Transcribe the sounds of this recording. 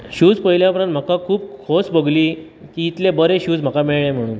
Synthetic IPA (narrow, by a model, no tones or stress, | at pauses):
ɕuːd͡zpəɦjljapɾə̃nt̪m̤əkakʰuːbkʰosbəɡliː | kiːt̪lebəɾeɕuːd͡zm̤əkamiɭɭẽm̤əɽ̃uːn